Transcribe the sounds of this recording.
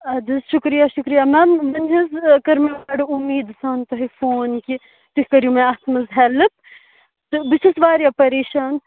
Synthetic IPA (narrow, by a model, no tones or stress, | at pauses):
ɐd̪izʃukɾijaʃukɾijaːmɛːmːɐnɦɐzkɐɾmɐaɖɨumːiːd̪saːnt̪ɐɦɐfoːnki | t̪uhʲkɐɾjumɛ̃ɐt̪ʰmɐzɦɛlɨp̚ | t̪ɨbiʃɐsʋaːɾiɐpɐɾeːʃaːn